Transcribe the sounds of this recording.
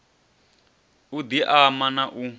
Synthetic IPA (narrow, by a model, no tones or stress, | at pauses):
ud̪iʔamanaʔu